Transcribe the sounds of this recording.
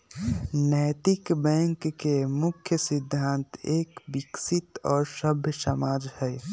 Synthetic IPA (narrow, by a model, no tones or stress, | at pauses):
nəjt̪ikbɛ̃ŋkːemukʰjəsid̪ʱːant̪eːkbiksit̪ɔːɾsəbʱjəsəmaːd͡ʒhɛj